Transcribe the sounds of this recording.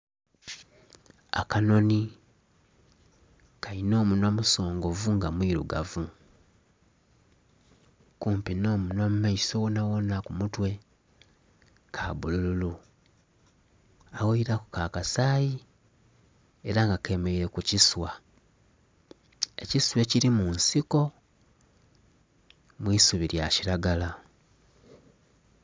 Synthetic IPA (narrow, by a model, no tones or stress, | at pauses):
a̰kano̞ni | kaino̞ːmunwamuso̞ːŋɡo̞vuŋɡamwiːɾuɡa̰vu | kuːmpino̞ːmunwamumaisowonawonakumutwe̞ | kʰabulululu | awoiɾakukaːkasaːji | e̞ɾaŋɡake̞me̞iɾe̞kuciswa | e̞ciswe̞ciɾimunsiko̞ | mwiːsuβiɾjaciɾaɡala